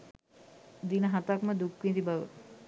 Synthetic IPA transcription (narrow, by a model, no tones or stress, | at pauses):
d̪inəɦat̪akməd̪ukʋind̪ibaʋə̰